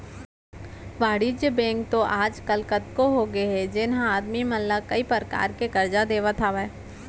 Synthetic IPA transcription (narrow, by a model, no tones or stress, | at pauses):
ʋaːɽid͡ʒjəbɛ̃ːŋkt̪oʔaːd͡ʒkɐlkət̪koɦoɡɐeɦɛd͡ʒɪnɦãaːd̪mimɐllakɐipəɾka̰ːɾkekɐɾd͡ʒad̪eːʋət̪ʰaːʋɛ